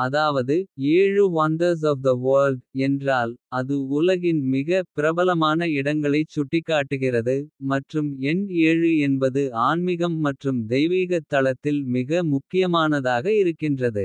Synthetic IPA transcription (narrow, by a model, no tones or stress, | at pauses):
ɐðaːʋɐðɯeːɻɯʋɐnd̪ɐɾs̬ɔːfd̪ɐʋoːlɖɛndraːlɐðɯʊlɐɣɪnmɪɣɐpɪɾɐbɐlɐmaːnɐɪɽɐŋɡɐɭɐɪt͡ʃːʊʈːɪkːaːʈːɯɣɪrɐðɯmɐʈrɯmɛneːɻɯɛnbɐðɯaːnmɪɣɐmːɐʈrɯmd̪ɛjʋiːɣɐt̪ːɐɭɐt̪ːɪlmɪɣɐmʊkːɪjɐmaːnɐðaːɣɐɪɾɯkːɪndrɐðɯ